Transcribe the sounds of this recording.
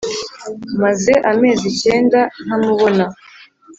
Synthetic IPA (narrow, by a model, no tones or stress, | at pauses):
maze̞ʔame̞ːzice̞ːndan̥amuβo̞na